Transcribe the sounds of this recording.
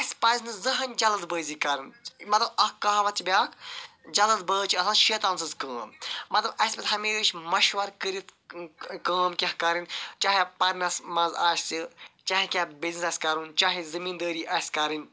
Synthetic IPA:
ɐsʲpɐːzʲnɨzɐɦɐnʲd͡ʒɐlɐd̪bəːziːkɐɾɨnmɐt̪lɐbɐkaːʋɐt̪t͡ʃʰibʲaːk | d͡ʒɐlɐd̪̚bəːt͡ʃʰɐsʰaʃeːt̪aːnsɨzkəːmmɐt̪lɐbɐsʲpʲɐt̪ɦɐmeːt͡ʃʰmɐʃʋɐɾkəɾit̪ | kəːmkʲɐhkɐɾint͡ʃaːɦipɐɾnɐsmɐzaːʃsit͡ʃaːɦikʲaːbiznisɐsʲkɐɾunt͡ʃaːɦizɐmiːnd̪əːɾiːʔɐsʲkɐɾɨnʲ

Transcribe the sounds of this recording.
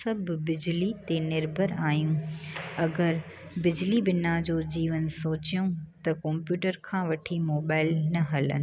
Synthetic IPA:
ɐbʱbɪd͡ʑlit̪enɪɾbʱəɾaːjũɐɡəɾ | bɪd͡ʑlibɪnad͡ʑoːd͡ʑiːʋənsoːt͡ɕijũt̪ɐkɔ̃ːmpjuːʈəɾkʰãːʋɐʈʰimoːbaːɪlnɐɦɐlə̰nɪ̆

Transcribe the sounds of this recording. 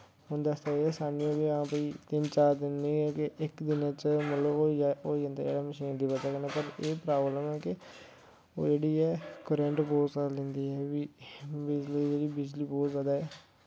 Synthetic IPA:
ɦʊnd̪aːst̪aːeɛːsaːniõːbiːãːpəiːt̪ɪnt͡ʃaːɾd̪ɪnːiːɛːkɪʔɪkd̪ɪnãːt͡ʃəmət̪ləboːoːd͡ʒə̃ːnd̪a̰d͡ʒḛːɽaːməʃiːnd̪iːpət̪aːkənepəɾeːpɾaːbləmɛːkɪ | o̰ːd͡ʒeːɽiːɛːkəɾɛ̃ɳʈbɔːt̪salɛ̃nd̪iːɛːʋiːbɪd͡ʒliːd͡ʒeːɽiːbɪd͡ʒliːbɔːt̪zjaːd̪aːɦɛː

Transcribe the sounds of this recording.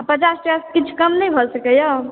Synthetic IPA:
pət͡ʃasʈaskit͡ʃʰkəmnəjbʱəlsəkəjə

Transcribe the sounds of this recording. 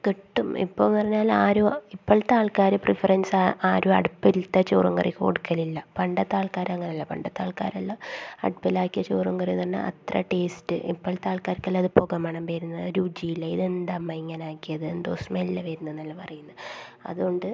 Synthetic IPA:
keʈːumḭpːoːpɐrɐɲːaːlaːɾoːipːoɭt̪aːɭkaːɾɨprifɐrɐnsaʔaːɾoːɐ̰ɽupːilt̪ːɐt͡ɕoːruŋɡɐriko̰ɽukːɐlilːɐpɐɳɖɐt̪ːaːɭkaːɾɐŋːɐneɐlːɐpɐɳɖɐt̪ːa̰ːɭka̰ːɾɐlːɐɐ̰ɽupːɐlaːkːijɐt͡ɕoːruŋɡɐrit̪ɐnːɐ̰ʔɐ̰t̪rɐ̰ʈeːstɨ̰ʔḭpːoɭt̪aːɭkaːɾkːɐlːɐðɨpoɣɐmɐːɳɐmpeɾunːɐɾuːd͡ʑijilːɐiðe̞nd̪amːɐiŋːɐnaːkːijɐðɨend̪oːsmɐilːɐʋeːɾunːɐenːɐlːɐpɐrɐjunːɐɐ̰ðuɣo̞ɳɖɨ

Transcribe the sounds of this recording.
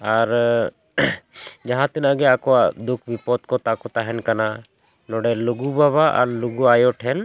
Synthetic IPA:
aɾ | d͡ʒaɦãt̪inaɡɛakɔad̪ukʰbipɔt̪kɔt̪akɔt̪aɦɛnkana | nɔɖɛluɡubaβaʔa̰ɾluɡuajɔʈʰɛn

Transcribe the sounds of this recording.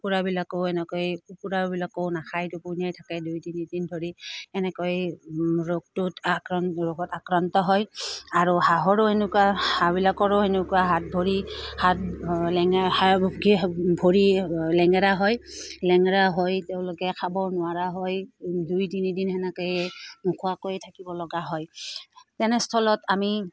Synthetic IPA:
upuɹabilakowɛnɛkɔjupuɹabilakownakʰajtʊpʊnijajtʰakɛdujtinidindʱoɹiɛnɛkɔjɹoɡ̚tʊtɹoɡɔtakɹantɔɦɔjaɹuhaɦɔɹoenʊkuahabilakɔɹoɦenʊkuaɦat̚bʱoɹihat̚lɛŋaɡibʱoɹilɛŋɛɹaɦɔjlɛŋɛɹaɦɔjteʊ̃lokɛkʰabɔnʊaɹaɦɔjdujdinidinɛnɛkɔjɛmukʰuakojtʰakibɔlɔɡaɦɔjtɛnɛstʰɔlɔtami

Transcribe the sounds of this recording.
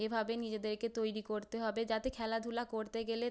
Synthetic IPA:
ebʱabenid͡ʑed̪eɾket̪ojɾikoɾt̪eɦɔbed͡ʑat̪ekʰɛlad̪ʱulakoɾt̪eɡele

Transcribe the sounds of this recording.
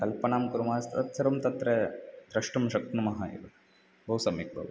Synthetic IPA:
kɐlpɐɳaːmkuɾumaːst̪ɾɐ̰t̪sɐɾɐmt̪ɐt̪ɾed̪ɾɐʂʈɐmʃɐk̪̚numɐɦajḭʋɐ | bʱɐwsɐmik̚bʱɐ̰ʋɐ

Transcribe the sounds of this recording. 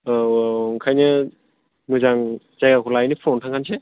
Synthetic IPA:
ŋkʰajnɯ | mɯzaŋ | zajakʰɔlajnipʰɔntʰaŋkʰanse

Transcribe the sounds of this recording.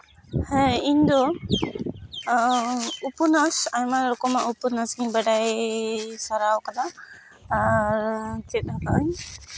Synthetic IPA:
hɛiɲd̪ɔ | upunasaɲmaɾɔkɔmaʔupunasɡiɲbaɖaj | saɾawkad̪a | t̪ɛt̪̚akaʔaɲ

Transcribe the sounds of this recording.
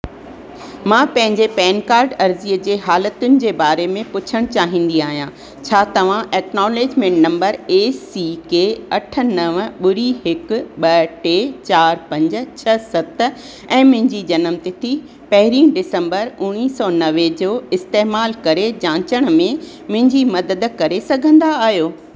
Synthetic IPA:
mãːpɐ̃ɦɪ̃ɲd͡ʑepɛːnkaːɾɖɐɾziəd͡ʑeːɦaːlət̪ʊnɪ̆d͡ʑeːbaːɾemẽpʊt͡ɕʰəɽ̃t͡ɕaːɦĩːn̆d̪iaːɦijãː | t͡ɕʰaːt̪ɐʋ̤ãʔeːknɔːleːd͡ʑmẽʈnɐ̃mbəɾeːsiːkeːɐʈʰə̆nɐʋɓʊɾiɦɪkʊ̆ɓɐʈeːt͡ɕaːɾpɐ̃ɲd͡ʑ̆t͡ɕʰɐsɐt̪ | ɛ̃ːmʊ̃ɦɪ̃ɲd͡ʑid͡ʑɐnəmt̪it̪ʰi | pɐɦɪɾĩːɖɪsə̃mbəɾʊɽ̃iːsɔːnɐʋed͡ʑoːɪst̪eːmaːlkɐɾed͡ʑãːt͡ɕəɽ̃ʊ̆mẽ | mʊ̃ɦɪ̃ɲd͡ʑimɐd̪əd̪kɐɾesɐɡʱə̃nd̪aːɦjoː

